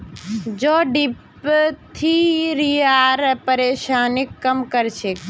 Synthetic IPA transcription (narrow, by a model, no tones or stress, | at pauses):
d͡ʒoːɖip | t̪ʰiɾijaːɾpəɾeːʃaːnɪkːɐmkəɾt͡ʃʰek